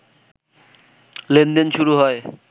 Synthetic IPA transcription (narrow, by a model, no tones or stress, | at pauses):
lend̪enʃuɾuɦɔe